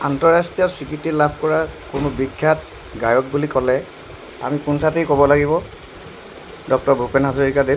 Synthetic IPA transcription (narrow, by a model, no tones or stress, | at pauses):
antɔɹastijɔsikitːilabʱkɔɹakʊnʊbikʰːat̚ | ɡajɔk̚bulikɔlɛ | a̰mikunsʰatejkɔbɔlaɡibɔ | dɔk̚tɔɹbʱupɛnɦazɔɹikade